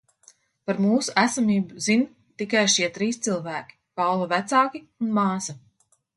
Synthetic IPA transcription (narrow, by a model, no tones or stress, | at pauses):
paɾmuːsuʔæsamiːbuzin | t̪ikajʃiɛt̪ɾiːst̪silˠvæːkʲi̥kalvavæt̪saːkʲi | unmaːsɐ